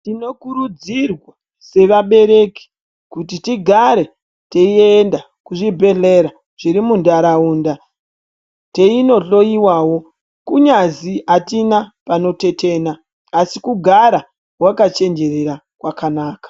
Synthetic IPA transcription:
tino̞kuɾud͡zirwa | se̞ʋaɓe̞ɾe̞ki̥ | kutitiɡʱaɾe̞ | teieːnda | kuʐibʱe̞ɮe̞ɾa | ʐ̥iɾimundaɾauːnda | te̞ino̞ɬo̞iwawo̞ | kuɲaziʔatinapano̞te̞te̞ːnaː | sikuɡʱaɾa | wakat͡ʃe̞nd͡ʒe̞re̞ɾa | kwakanaːkḁ

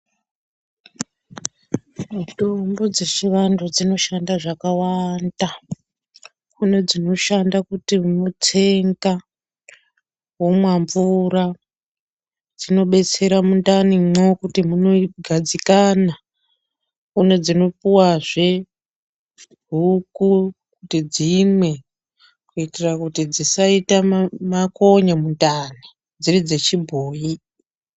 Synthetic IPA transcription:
mitombod͡ze̞ʂiʋandud͡zino̞ʃandaʐakawanda | kune̞d͡zino̞ʃandakutiuno̞tʰeŋɡa | womwaɱvura | d͡zino̞ɓe̞t͡se̞ɾamundanimokutimuno̞ɡʱad͡zikana | une̞d͡zino̞puwaʐe | ɦuku | kutid͡zimwe̞ | kuitirakutid͡zisaitamako̞ɲamundaːni | d͡zirid͡ze̞t͡ʃibʱoːji

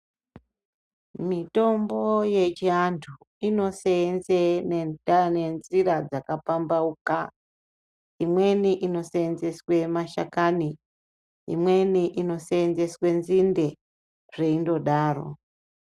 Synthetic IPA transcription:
mito̞mbo̞je̞t͡ʃiantʰu | ino̞senzeneanenziɾad͡zakapambauka | imwe̞niʔino̞seːnze̞swe̞maʃa̰kani | ḭmweniʔino̞seːnze̞swe̞nzinde̞ | ʐ̥e̞indo̞ɗaːro̞̰

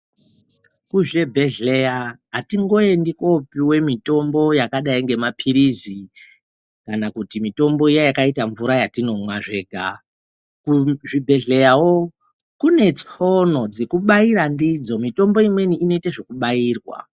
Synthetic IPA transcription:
kuʐe̞bʱe̞ɮe̞jaɦatiŋɡo̞endiko̞piwe̞mito̞mbo̞jakaɗaiŋɡe̞mapʰiɾizi | kanakutimito̞mbo̞ijejakaitaɱvuɾajatino̞mwaʐe̞ːɡʱa | kuʐibʱe̞ɮe̞jawo | kune̞t͡sono̞d͡zekuɓaiɾandid͡zo̞mito̞mbo̞imwe̞niʔino̞itaʐe̞kuɓaiːrwa̰

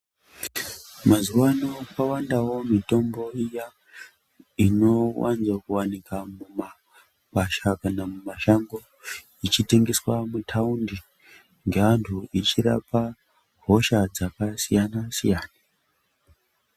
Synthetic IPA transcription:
mazuwanokawandawo̞mito̞mbo̞ija | ino̞wa̰nzwakuwanikamuma | kaʃakanamumaʃaŋɡo | it͡ʃite̞ŋɡe̞swamutʰaundi | ŋɡe̞ʋantʰuit͡ʃira̰pa | ɦo̞ʃad͡zakasijanasijaːna

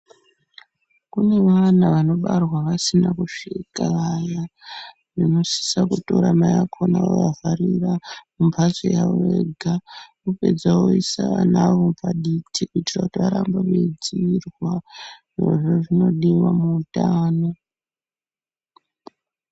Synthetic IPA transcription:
kune̞ʋanaʋano̞ɓarwaʋasinakuʂikaʋaja | ʐino̞si̥sakuto̞ɾamajakʰonao̰javʱaɾiramumpat͡sojaeɡʱakupe̞d͡zawoisaʋanaʋo̞paɗitʰikuitirakutiʋaɾambaʋed͡ziirwaʐeʐoʐino̞ɗiwamuːtaːno̞

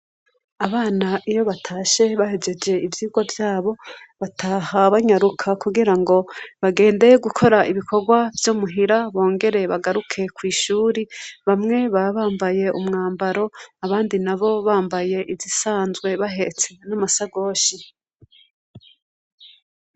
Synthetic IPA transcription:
aβaːnaʔijo̞βatʰaːʃe̞βahed͡ʒe̞d͡ʒe̞ivjiːɡwavjaːβo̞βatʰahaβaɲaɾukʰakuɡiɾaŋɡo̞βaɡe̞ːnde̞jeɡukʰo̞ɾaiβikʰo̞ɡwavjomuɦiɾaβo̞ːŋɡe̞ɾe̞βaɡaɾukʰe̞kwiːʃuːɾiβamŋe̞βaβaːmbaje̞ʔumŋaːmbaɾo̞aβaːndinaβo̞βaːmbaje̞ʔizisaːnzɡwe̞βaɦe̞t͡se̞namasaɡo̞ːʃi

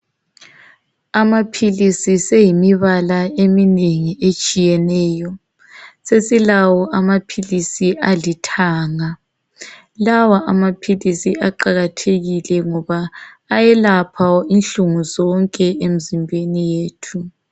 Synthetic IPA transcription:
amapʰilisisejimiβalaemineŋiʔet͡ʃʼijɛnɛːjɔ | sesilawɔʔamapʰilisiʔalitʰaːŋa | lawaʔamapʰilisiaǃaɣatʰeɣilɛŋɔβaː | jɛlapʰawinɬuŋuzɔŋkʼɛem̩zimbʱenijeːtʰu

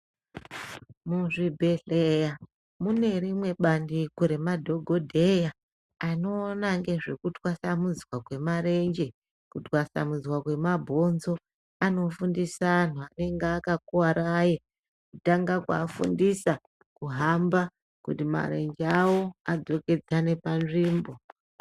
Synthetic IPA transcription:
muʐibʱe̞ɬeja | mune̞rimwe̞ɓandikuɾe̞madʱo̞ɡʱo̞dʱe̞ja | ano̞ːnaŋɡe̞ʐe̞kutwasamud͡zwakwe̞maɾe̞nd͡ʒe̞ | kutwasa̰mud͡zwakwe̞mabʱo̞nzo̞ | ano̞fundisan̤uane̞ŋɡakakuwaɾaje | kutaŋɡakwa̰ːfṵndisa | kuɦamba | kutima̰ɾe̞nd͡ʒeawo̞ad͡zo̞ke̞d͡zane̞panʐiːmbo̞

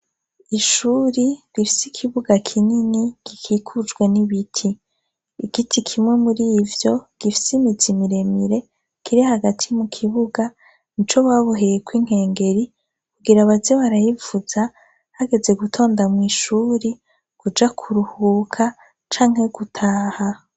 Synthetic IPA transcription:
iʃuːɾiɾifi̥sikʰiβuɡakʰininiɡ̥ikʰikʰud͡ʒɡwe̞niβitʰiː | ɡitʰikʰimŋe̞muɾiːvjo̞ɡ̥ifi̥simizimiɾe̞miɾe | kiɾihaɡatʰimukʰiβuɡa | nit͡ʃo̞βaβoɦejekwiŋ̥he̞ːŋɡe̞ɾi | kuɡiɾaβazeβaɾajivuz̥a | haɡe̞ze̞ɡutʰo̞ːndamŋiːʃuːɾi | kud͡ʒakʰuɾuhuːkʰa | t͡ʃaːŋ̥he̞ɡutʰaːha

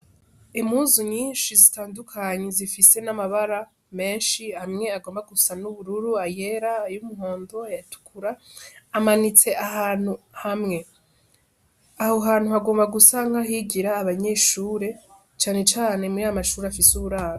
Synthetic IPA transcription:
emhuːzuɲiːnʃizitaːndukʰaɲezifise̞namaβaɾa | me̞ːnʃihamŋe̞aɡo̞ːmbaɡusanuβuɾuɾuaje̞ɾajumuɦo̞ːndo̞ajatu̥kʰuɾaːmanit͡se̞ʔaɦaːn̥hu | hamŋe̞ | aho̞ɦaːn̥uhaɡo̞ːmbaɡusaŋɡaɦiɟiɾaːβaɲe̞ʃuːɾe̞ | t͡ʃaːne̞t͡ʃaːne̞muɾiajamaʃuːɾeafisuβuɾaːɾo

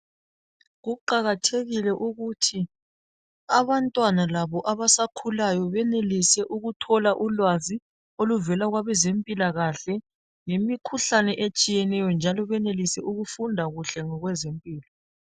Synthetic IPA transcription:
ɣuǃaɣatʰeɣilɛʔuɣutʰi | aβantʼwanalaβɔʔaβasakʰulajɔβɛnelisɛʔuɣutʰɔlaʔulwazi | oluvɛlaɣwaβɛzempʼilaɣaɬɛ | ŋemikʰuɬanɛʔet͡ʃʼijɛnɛjɔnd͡ʒʱalɔβɛnelisɛʔuɣufundʱaɣuɬɛŋɔɣwɛzempʼiːlɔ

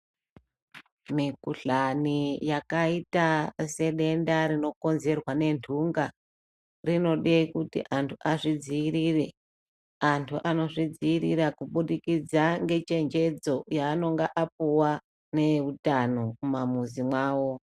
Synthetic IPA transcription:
mikuɬanijakaitase̞ɗe̞ndaɾino̞ko̞nze̞rwane̞ndʰʱuŋɡa | rino̞ɗekutḭʔantʰuʔaʐid͡ziirire̞ | antʰuʔano̞ʐid͡ziirirakuɓuɗikid͡zaŋɡe̞t͡ʃe̞nd͡ʒe̞d͡zo̞jaːno̞ŋɡeʔap̚uwa | ne̞utanomamuzimwaːwo̞

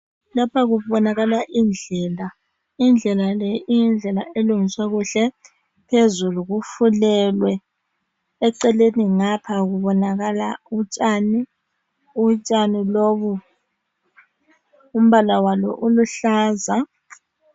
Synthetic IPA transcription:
lapʰaɣuβɔnaɣalaʔind͡ɮʱɛːla | ind͡ɮʱɛlalɛʔijind͡ɮʱɛlaʔeluŋiswaɣuɬɛ | pʰezuluɣufulɛlwɛː | ǀɛleniŋapʰaɣuβɔnaɣalaut͡ʃʼani | ut͡ʃʼaniloːβu | um̩βalawalɔ̰ʔuluɬaːza

